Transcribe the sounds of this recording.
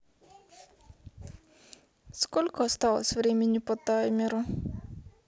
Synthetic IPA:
skɔlʲkɔst̪aɔ̰sʋɾemʲiɲupɔt̪amʲiɾu

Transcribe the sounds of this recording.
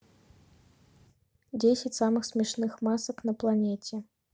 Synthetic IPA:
d͡zʲesʲɛt͡sʲsamɨxsʲmʲɛʂnɨxmasɐknɐplˠanʲet͡sʲɛ

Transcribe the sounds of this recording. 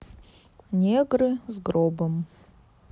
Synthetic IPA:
nʲeɡrɨzɡɾobəm

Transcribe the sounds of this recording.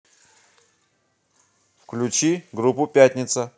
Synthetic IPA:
fklʲut͡ɕiɡɾupupʲat̪ʲnʲɪt̪sə

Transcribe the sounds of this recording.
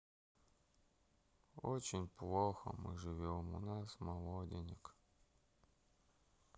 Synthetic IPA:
ot͡ɕɪnʲplˠoxə̰mɨ̰ʐɨvʲemʊ̰nasmɐlˠodʲɪnʲɪk

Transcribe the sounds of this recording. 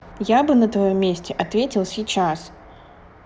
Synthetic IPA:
jabɨnɐt̪vɐjɔmʲːesʲtʲɛʔɐt̪vʲetʲɪlˠsʲit͡ɕas

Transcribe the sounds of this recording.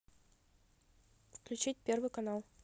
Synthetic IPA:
fklʲʉt͡ɕit̚ʲpʲervɨjkɐnalˠ

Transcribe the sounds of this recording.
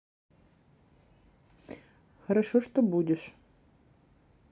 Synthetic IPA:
xɐɾɐʂɔʂt̪ɔbudʲɪʃ

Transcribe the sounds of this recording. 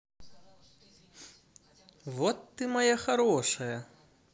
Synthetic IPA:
vɔt̪ːɨmajaxaɾɔʂɐjɐ

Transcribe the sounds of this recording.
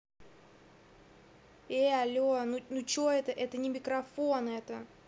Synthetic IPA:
eɐlʲonunut͡ɕoɛt̪əʔɛt̪ənʲɪmʲɪkɾɐfonɛt̪ə

